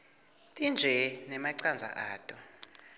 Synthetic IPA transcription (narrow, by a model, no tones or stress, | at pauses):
tʼind͡ʒʱɛnɛmaǀand͡zʱa̰ʔaːtʼɔ